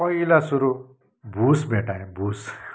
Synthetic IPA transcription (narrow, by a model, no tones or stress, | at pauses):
pʌilasuɾu | bʱusbʱeʈaẽbʱus